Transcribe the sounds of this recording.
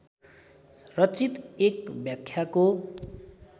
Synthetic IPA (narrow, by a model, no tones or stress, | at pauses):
rʌt͡sit̪ekbjakʰːjako